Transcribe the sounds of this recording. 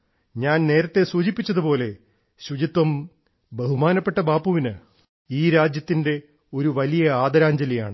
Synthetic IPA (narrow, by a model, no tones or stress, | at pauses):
ɲaːnne̞ːɾɐt̪ːe̞suːd͡ʑipːit͡ɕːɐðupo̞ːle̞ | ɕud͡ʑit̪wɐm | beɦumaːnɐpːe̞ʈːɐbaːpuʋinɨ | iːɾaːd͡ʑjɐt̪ːinde̞ | o̞ɾuʋɐlijɐaːd̪ɐɾaːɲd͡ʑɐlija̰ːɳɨ